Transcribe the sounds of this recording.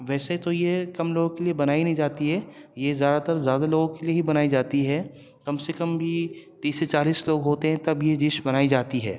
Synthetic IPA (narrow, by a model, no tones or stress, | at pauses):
ʋɛːseit̪ojekɐmloːɡkeliebɐnaːinɐɦĩd͡ʒaːt̪iɦɛːjezjaːd̪at̪ɐɾzjaːd̪aloːɡõkelieɦibɐnaːid͡ʒaːt̪iɦɛː | kɐmsekɐmbʱit̪iːsːet͡ʃaːliːsloːɡɦoːt̪eɦɛ̃t̪ɐbjed͡ʒɪʃbɐnaːid͡ʒaːt̪iɦɛ̰ː